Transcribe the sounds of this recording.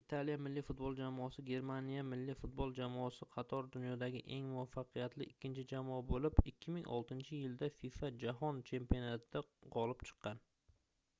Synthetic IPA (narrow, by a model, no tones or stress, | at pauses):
ɪt̪ʰalijamɪlːifʊt̪̚bolˠd͡ʒamɒsɪɡʲe̞ɾmanijamɪlːifʊt̪̚bolˠd͡ʒamɒsɪqʰɑt̪ʰɒɾd̪ʊnjɒd̪aɡʲɪʔe̞ŋmʊvafːɑqʰɨjat̪lɪʔɪkʲʰːɪnt͡ʃʰɪd͡ʒamabolɪpɪkʲʰːɪmɪŋɒ̰lˠt̪ʰɪnt͡ʃʰɪjɪld̪afifad͡ʒaɦɒnt͡ʃʰe̞mpionat̪ʰɪd̪aqʰɒlˠɪpt͡ʃʰɨ̥qːɑn